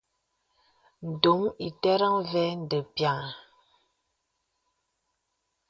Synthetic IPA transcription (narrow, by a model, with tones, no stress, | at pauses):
n̩˨do˨˦mi˨tɛ˦ɾa˦ŋvɛ˦n˨də˨pja˨ŋa˨